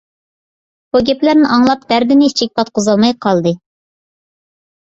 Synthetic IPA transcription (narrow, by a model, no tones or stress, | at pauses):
b̥uɡʲɛplæɾnɪʔɑŋlˠɑp̚d̪æɾd̪ɪnɪi̥t͡ʃʰik̚ʲpɑt̪̚qʰozɑlˠmɑjqʰɑlˠd̪ɨ